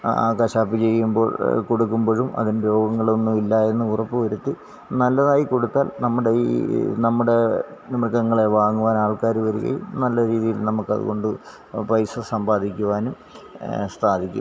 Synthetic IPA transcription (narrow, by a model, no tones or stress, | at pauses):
a̰ːkɐɕaːpːit͡ɕe̞jːumbo̰ːɭko̞ɽukːumboːɻumɐ̰ðinɾo̞ːɡɐŋːɐɭonːumilːɐe̞nːɨurɐpːɨʋɐɾut̪ːi | nɐlːɐðaːjiko̞ɽut̪ːaːlnɐmːuɽeinɐmːuɽe̞nimɐɭkːɐŋːɐɭe̞ʋaːŋːuʋaːnaːɭkaːɾuʋɐɾuɣɐ̰jṵmnɐlːɐɾiːðijilnɐmukːɐ̰ðṵɣo̞ɳɖɨ | prɐjsɐsɐmbaːd̪ʱikʲːuʋaːnum | st̪ʰaːd̪ʱikʲːṵm